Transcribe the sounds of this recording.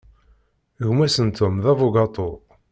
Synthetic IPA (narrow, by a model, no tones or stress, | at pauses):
ɣmæsənt̪ʊmðævʊɡɑt̪ˤo